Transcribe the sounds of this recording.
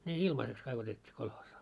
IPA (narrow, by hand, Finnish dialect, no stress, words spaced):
ne ilmɑseks kɑik otetʲːiː kolhoːsɑː